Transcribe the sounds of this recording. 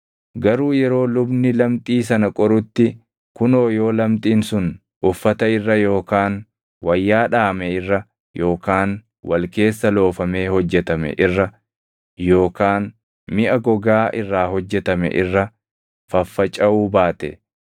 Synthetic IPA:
ɡɐɾuːjɛɾo̞ːlʊbnɪlɐmt̪ʼiːs̬ɐnɐkʼɔɾʊt̪ːɪ | kʊnoːjo̞ːlɐmt̪ʼiːnsʊn | ʔʊfːɐt̪ɐɪrːɐjo̞ːkaːn | wɐjːaːᶑaːmɛɪrːɐ | jo̞ːkaːn | wɐlke̞ːsːɐlo̞ːfɐme̞ːhɔd͡ʒːɛt̪ɐmɛ̰ʔɪrːɐ | jo̞ːkaːn | mɪʔɐɡɔɡaːʔɪrːaːhɔd͡ʒːɛt̪ɐmɛ̰ʔɪrːɐ | fɐfːɐt͡ʃʼɐuːbaːt̪ɛ̰

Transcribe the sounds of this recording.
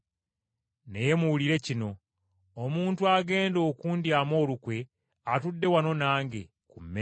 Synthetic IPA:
ne̞je̞muwuliɾe̞cino̞ː | muːntuaɡe̞ːndo̞ːkuːndiamo̞ːlukwe̞ | atudːe̞wano̞naːŋɡe̞̰ | kumːe

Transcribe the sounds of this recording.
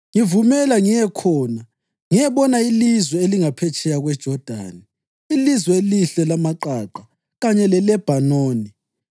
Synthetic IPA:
ŋivumɛlaŋijɛkʰɔːna | ŋijɛβɔnailizwɛeliŋapʰɛt͡ʃʰʼɛjaɣwɛd̥ʒ̥ʱɔd̥ʱa̰ni | ilizwɛeliɬɛlamaǃaǃa | ɣaɲɛlɛlɛb̥ʱanoːni

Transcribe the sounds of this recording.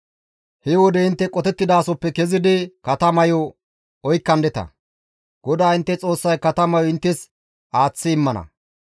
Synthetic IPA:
hɛwɔd̪ɛɪnt̪ːɛkʼɔt̪ɛt̪ːɪd̪aːsɔpːɛkɛzɪd̪ɪkɐt̪ɐmɐjɔ | ɔjkːɐnd̪ɛt̪ɐ̰ | ɡ̥ɔd̪aːɪnt̪ːɛt͡sʼo̞ːsːɐjkɐt̪ɐmɐjɔɪnt̪ːɛs | ʔaːt͡sːɪːmːɐnɐ̰

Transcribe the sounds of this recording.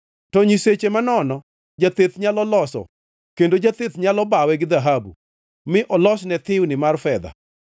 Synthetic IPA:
tɔɲiset͡ʃemanɔnɔ | d͡ʒat̪et̪ɲalɔlɔsɔ̰ | kendod͡ʒat̪ɪt̪ɲalɔbawɛɡɪd̪aɦabṵ | mɪʔɔlɔsnɛt̪ɪwnɪmarfɛd̪a̰

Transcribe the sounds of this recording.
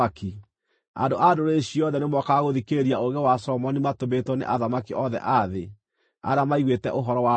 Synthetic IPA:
aki | a̰ndoʔadoɾeɕiɔðɛnemwɔkaɣoðikeɾiaoɣɛwasɔmɔnimatometwɔnḛʔaðamakiʔɔðɛ̰ʔaðe | a̰ɾamaiɣwetɛ̰ʔoɦɔɾɔwa

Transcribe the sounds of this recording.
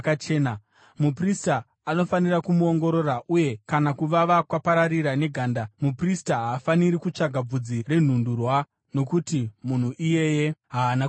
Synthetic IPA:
kat͡ʃe̞ːna | mupristaː | no̞fanirakumuo̞ŋɡo̞ɾo̞raʔuje̞kanakuʋaʋakwapaɾaɾiɾane̞ɡʱaːndamupristaɦaːfaniɾikut͡ʂaɡʱab͡vud͡zire̞n̤undurwa | no̞kutimun̤uʔije̞je̞ɦaːna

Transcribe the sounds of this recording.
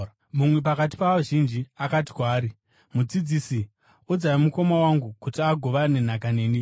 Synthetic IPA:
mumwe̞pakat̬i̥paʋaʒind͡ʒiakati̥kwaːɾi | mud͡zid͡zisi | ud͡zaimuko̞mawaŋɡukutiaɡʱo̞ʋane̞n̤akane̞ːni

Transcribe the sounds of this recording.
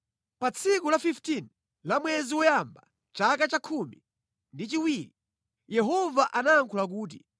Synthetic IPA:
pat͡sʰikulafiftin | lamwɛziwɔjamba̰ | t͡ʃakat͡ʃakʰumḭ | ndit͡ʃiwiːɾi | jɛɦɔvaʔanaːŋkʰulak̬uːt̬i

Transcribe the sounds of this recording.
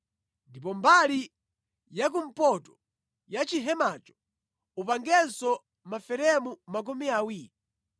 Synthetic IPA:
ndipɔmbali | jak̬um̩pɔtɔ̥ | jat͡ʃiɦɛmat͡ʃɔ̥ | upaŋɡɛnsɔ | mafɛɾɛmumak̬umiawiːɾi

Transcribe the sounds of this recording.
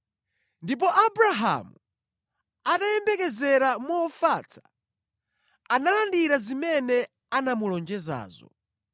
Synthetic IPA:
ndip̬ɔʔabɾaɦa̰mu | atajɛmbɛkɛzɛɾamɔːfat͡sʰḁ | analandiɾazimɛnɛ | anamulɔnd͡ʒɛza̰ːzɔ̰

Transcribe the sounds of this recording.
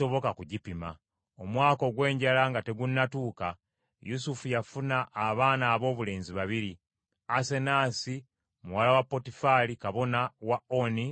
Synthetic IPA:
o̞βo̞kakuɟipima̰ | o̞mwaːko̞ɡwe̞ːɲɟalaŋɡate̞ɡunːatuːka | jusufujafunaʔːβaːnaːβo̞ːβule̞ːnziβaβiɾi | ase̞naːsi | muwalawapːo̞tifalikaβo̞nawao̞ni

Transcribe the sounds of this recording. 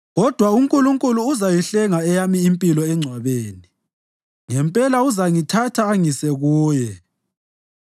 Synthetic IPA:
ɣɔd̥ʱwauŋkʼuluŋkʼuluːzajiɬɛŋaɛjamiːmpʼilɔɛŋ͡ǀʱwaβeːni | ŋɛmpʼɛlauzaŋitʰatʰaːŋisɛɣuːjɛ

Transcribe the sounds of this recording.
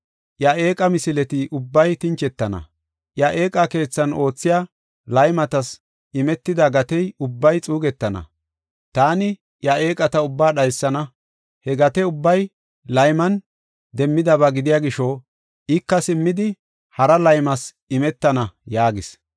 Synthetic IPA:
ʔjɐe̞ːkʼɐmɪsɪlɛt̪ɪʔʊbːɐjt̪ɪnt͡ʃɛt̪ːɐnɐ̰ | ʔjɐʔe̞ːkʼɐke̞ːt͡sːɐno̞ːt͡sːɪjaː | lɐjmɐt̪ɐs | ɪmɛt̪ːɪd̪ɐɡɐt̪ɛjʊbːɐjt͡sʼuːɡɛt̪ːɐnɐ̰ | t̪aːnɪ | jɐe̞ːkʼɐt̪ɐʊbːaːɗɐjsːɐnɐ | hɛɡɐt̪ɛʊbːɐj | lɐjmɐn | d̪ɛmːɪd̪ɐβɐɡɪd̪ɪjaːɡɪʃo | ʔɪkːɐsɪmːɪd̪ɪ | hɐɾɐlɐjmɐs | ɪmɛt̪ːɐnɐjaːɡɪs

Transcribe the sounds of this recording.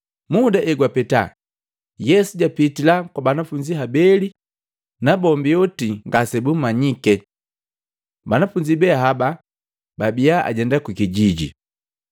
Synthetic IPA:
mudaʔɛɡwapɛta̰ | jɛsuɟapitilakwabanafuɲd͡ʒiɦabɛli | nabɔmbiɔtiŋɡasɛbummaɲikɛ | banafuɲd͡ʒibɛaɦaba | babiaʔa̰ɟɛndakwikiɟiɟḭ

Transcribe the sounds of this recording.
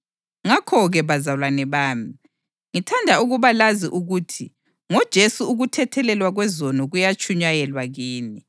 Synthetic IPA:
ŋakʰɔɣɛβazalwanɛβaːmi | ŋitʰandʱauɣuβalaziʔuɣutʰi | ŋɔd̥ʒ̥ʱesuuɣutʰɛtʰɛlɛlwaɣwɛzɔnɔɣujat͡ʃʰʼuɲajɛlwaɣiːni

